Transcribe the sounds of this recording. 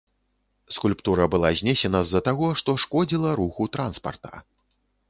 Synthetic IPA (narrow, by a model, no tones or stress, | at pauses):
skulʲpt̪uɾɐbɨlˠazʲnʲɛsʲɛnɐzːɐt̪aɣɔʂt̪ɔʂkɔd͡zʲilˠɐɾuxut̪ɾanspɐ̰rt̪ɐ̥̰